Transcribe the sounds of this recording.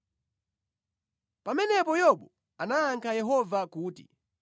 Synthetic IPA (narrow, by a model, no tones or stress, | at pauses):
pamɛnɛpɔjɔɓɔ | anaːŋkʰajɛɦɔvakuːtḭ